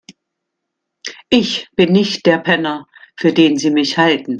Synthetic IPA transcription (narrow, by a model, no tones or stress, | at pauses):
ʔɪçb̥ɪnːɪçt̚d̥eːɐpʰɛnɐfyːɐdeːnziːmɪçhaltn̩